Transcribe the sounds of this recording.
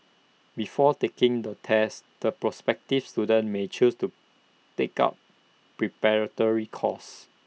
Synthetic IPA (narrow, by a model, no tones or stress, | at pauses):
bifɔtekɪ̃ŋdətʰɛsd̥əpɹɔspɛk̚tifstudə̃nmet͡ʃustu | teka̰p̚ | pɹipɛɹətɔɹikʰɔ̰s